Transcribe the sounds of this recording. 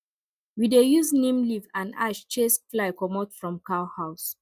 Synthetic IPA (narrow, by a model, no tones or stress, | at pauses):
widejuznẽmlivãna̰ʃt͡ʃesflaɪkɔmɔtfɹɔ̃mkaʊhaʊs